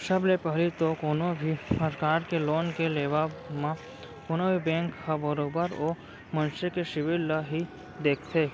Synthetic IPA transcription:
ʃɐblepɛɦlit̪okoːnobʱisəɾkaːɾkeloːnkeleːʋamã | koːnobʱibɛ̃ːŋkhabəɾoːbəɾoː | mə̃nʃəkeʃɪʋɪlːaɦi | d̪eːkʰt̪ʰeː

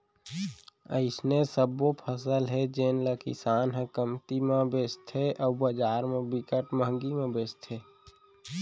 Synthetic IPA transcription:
ə̰ɪsnesəbopʰəsəlɦɛd͡ʒeːnləkɪ̰saːnɦɛ̃kəmt̪imãbeːst̪ʰɦeʔɔːbəd͡ʒaːɾmẽbɪkəʈməɦŋɡimẽbeːst̪ʰɦeː

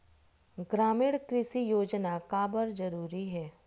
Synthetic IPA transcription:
ɡɾaːmɪɽkɾɪsijoːd͡ʒnakaːbəɾzɐɾuːɾiɦɛː

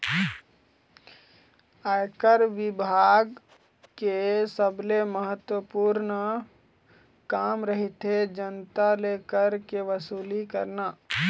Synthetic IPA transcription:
ajkəɾʋɪbʱaɡ | kesəbleməɦət̪wəpuːɾnə | kaːmɾəɦit̪ɦed͡ʒənt̪alekəɾkeʋəsuːlikəɾnaː

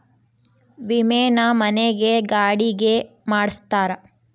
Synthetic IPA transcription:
ʋimɛːnɐmɐneɡeɡaːɽiɡe | maːɽst̪aːɾɐ

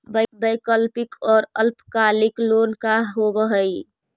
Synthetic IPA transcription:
bbəjkəlpikɔːɾəlpʰkaliklonkaɦobəɦəj

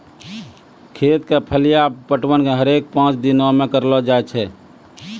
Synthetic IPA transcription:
kʰeːt̪kepʰəlijapəʈwənkeɦəɾeːk̚pãːt͡ʃd̪inõmẽkəɾlɔd͡ʒaɛt͡ʃʰɛ

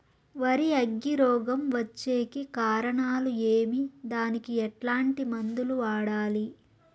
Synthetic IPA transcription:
ʋɐɾiɐɡːiɾɔːɡɐmʋɐt͡ʃːe̞ːkikaːɾɐɳaːlueːmid̪aːnikiɛʈlaːɳʈimɐnd̪uluaːɽaːli

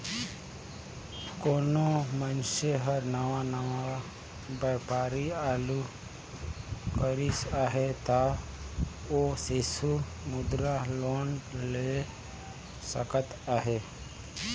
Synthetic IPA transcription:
koːnomənʃeɦəɾnəʋanəʋa | bəːpaːɾiaːlu | kəɾisaːɦet̪a | osesu | mʊd̪ɾaloːnle | sə̰kət̪aːɦeː

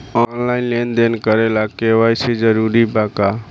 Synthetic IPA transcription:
ɔnlainlend̪enkəɾelakewajsed͡ʒəɾuɾibaka

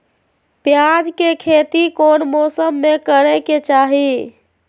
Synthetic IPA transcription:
pjad͡ʒkekʰet̪ikonmosəmːekəɾɛket͡ʃaɦi

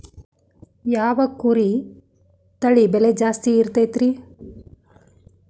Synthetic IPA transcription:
jaːʋɐkuɾi | t̪ɐɭibɛled͡ʒaːst̪iːɾt̪ɐjt̪ɾi

